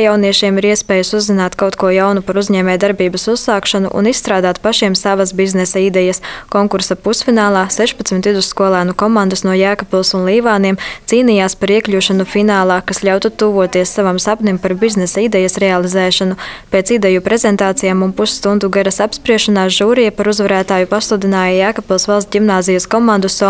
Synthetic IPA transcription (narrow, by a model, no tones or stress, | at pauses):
jawniɛʃiɛmiɾiɛspɛːjusuzːinaːt̪kawt̪kuɔjawnupaɾuzɲɛːmʲɛjd̪aɾbiːbɐsusːaːkʃanṵʔṵnissːt̪ɾaːd̪aːt̪paʃiɛmsavɐsbiznɛsaid̪ɛjɐskoŋkuɾsapusfinaːlˠaːsɛʃpat̪smʲit̪id̪uskuɔlˠæːnukɔmãnd̪ɐsnuɔjæːkapulˠsunlˠiːvaːniɛmt̪siːnijaːspaɾiɛkʎʲuːʃanufinaːlˠaːkasʎʲawt̪ut̪uːvuɔt̪iɛsːavamsapnimpaɾbiznɛsaid̪ɛjɐsɾɛalˠizɛːʃanupeːt̪sid̪ɛjupɾezɛnt̪aːt̪sijaːmumpusːt̪und̪uɡaɾɐsapspɾiɛʃanaːʒuːɾijɐpaɾuzvaɾæːt̪aːjupaslˠud̪inaːjajaːkapilˠsvalˠst̪ɟʲimnaːzijɐskɔmãnd̪usɔ